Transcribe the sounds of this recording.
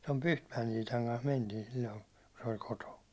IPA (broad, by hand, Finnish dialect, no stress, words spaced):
tom pyhtmæjen iːtɑŋ kɑns mentiːn̞ silʲːoin̞ ku se olʲ kotoːn̞